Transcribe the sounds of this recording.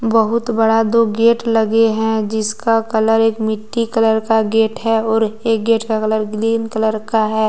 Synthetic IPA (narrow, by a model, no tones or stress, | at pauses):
bəɦʊt̪bɐɽad̪oːɡeːʈlɐɡeɦɛ̃d͡ʒɪskakɐləɾeːkmɪʈːikələɾkaɡeːʈɦɛɔːɾeːk̚ɡeːʈkakɐləɾɡliːnkələɾkaɦɛː